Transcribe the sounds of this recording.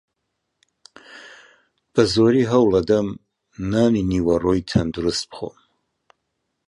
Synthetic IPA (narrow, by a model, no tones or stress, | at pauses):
b̥azoɾiɦawladam | naniniwaroitʰandrɨspʰχo̰